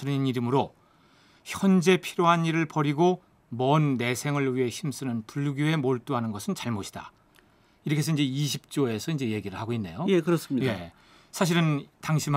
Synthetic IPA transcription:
ɯniniɾɯmɯɾo | çjʌnd͡ʑe̞pʰiɾjoɦaniɾɯɭpʌɾiɡo | mʌnːe̞sʰe̞ŋɯɭɥiɦe̞çʰims͈ɯnɯnpuɭːɡuɦe̞moɭt͈uɦanɯnɡʌsʰɯnt͡ɕaɭmoɕʰi̥d̥a̰ | iɾʌkʰe̞sʰʌind͡ʑe̞iɕʰip̚t͡ɕ͈oe̞sʰʌind͡ʑe̞je̞ɡiɾɯɭhaɡoinːe̞̰jojekɯɾʌs͈mje | sʰaɕ̬ʰiɾɯntaŋɕʰim

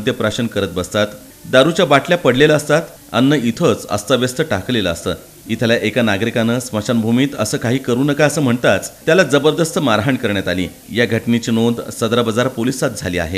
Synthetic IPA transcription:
d̪ʱjəpɾaɕənkəɾət̪̚bəst̪at̪ | d̪aɾut͡ɕjabaʈljapəɽleləːst̪at̪ | a̰nːəit̪ʰət͡sə̰st̪əʋjəst̪ʰəʈakleləːst̪əː | it̪ʰəlaʔekanaɡɾikanəsməɕanbʱumiːt̪əsəːkaɦiːkəɾuːnəkaəsəːm̤əɳt̪at͡st̪jalad͡zəbəɾd̪əst̪ʰəmaɾɦəɳkəɾɳjat̪alḭː | jaɡʱəʈnit͡ɕiːnod̪səd̪ɾəbəd͡zaɾpolisat̪̚d͡zʱaliːa̰ɦe

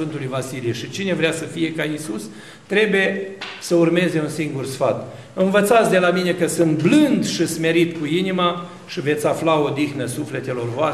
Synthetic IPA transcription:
ɨnt̪ulujvasilijeʃit͡ʃine̞vɾeasəfije̞kaisus | t̪ɾe̞bujesəurme̞ze̞unsiŋɡursfat̪ | ɨnvət̪sat̪sd̪e̞lamine̞kəsɨnt̪blɨnd̪ʃisme̞ɾit̪kuinima | ʃive̞t̪sʲaflao̞d̪ixnəsufle̞t̪e̞lo̞rvoa

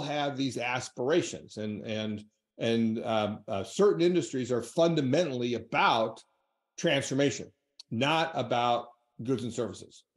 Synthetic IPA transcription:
lˠɨvðizæspə˞eɪʃɨ̰̃nzɨ̃nɨ̃n | ɨ̃n | sɜ˞ʔn̩ɪ̃ndɨstɹ̥izə˞fʌ̃ndɨmɛ̃nl̩ˠiɨbaʊt | tʰɹ̥æ̃nsfə˞meɪʃɨ̰̃nː | əɾəbaʊt̚ | ɡ̥ʊdz̃n̩sɜ˞vəsɨ̰z̥

